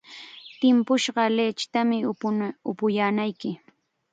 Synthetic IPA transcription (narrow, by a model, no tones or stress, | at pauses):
t̪ɪmpʊʃɢɑlet͡ʃt̪amɪʊpʊjaːnajkɪ